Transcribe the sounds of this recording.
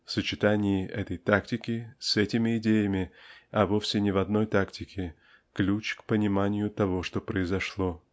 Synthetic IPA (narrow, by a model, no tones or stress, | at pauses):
fsət͡ɕɪt̪anʲɪjɪʔɛt̪əjt̪aktʲɪkʲɪsɛtʲɪmʲɪːdʲejəmʲɪɐvo̞fsʲɪnʲɪvɐd̪no̞jt̪aktʲɪkʲɪ | klʲut͡ɕkpənʲɪmanʲɪjʊt̪ɐvo̞ʂt̪o̞pɾəɪzɐʂlˠo̞